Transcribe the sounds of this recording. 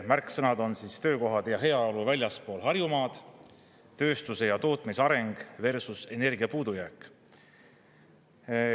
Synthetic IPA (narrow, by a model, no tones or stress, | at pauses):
mærkˑsɤnɑd̪o̞nsiːst̪ø̞ːko̞ɦɑd̪̥jɑɦe̞ɑo̞luvælʲjɑspo̞ːlɦɑrjumɑːd̪̥ | t̪ːø̞ːst̪use̞jɑt̪o̞ːt̪ˑmisɑɾe̞ŋɡ̥ve̞rsuse̞ne̞rɡiɑpuːd̪̥ujæːkːˑ